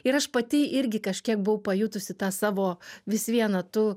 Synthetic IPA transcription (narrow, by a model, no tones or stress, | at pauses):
ɪɾɐʃpɐt̪ʲɪʔɪɾʲɡʲɪkɐʃʲkʲiɛk̚bʊɐʊpɐjut̪ʊsʲɪt̪ɑːsɑːʋoːʋʲɪsʋʲiɛnɐt̪ʊ